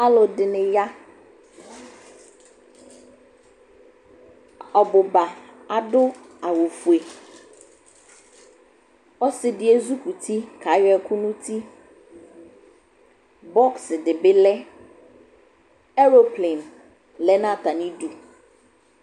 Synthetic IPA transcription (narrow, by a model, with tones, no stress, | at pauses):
a˦lʊ˨dɪ˨nɪ̃˨ja˦ | ɔ˨bʊ˨ba˨a˨dʊ˦ | a˨wo˨fu˨e˨ | ɔ˦sɪ˨dɪ˦e˦zu˦ku˨tʰi˦kʰa˨˦jɛ˨kʰʊ˦nʊ̃˦tʰi˦ | bɔ˦ksɪ˨dɪ˨bɪ˦lɛ˦ | ɛ˦ɾo˨ple˨n | lɛ˦nã˦˨ta˨nɪ̃˦du˨